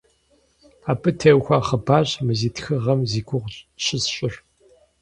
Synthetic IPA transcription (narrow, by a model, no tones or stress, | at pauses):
aːpʰɨtʰewxʷaːχɐbaːɕmɨziːtʰxɨʁɐmziːɡʷʰʊʁɕʰɪsɕʼɪɬ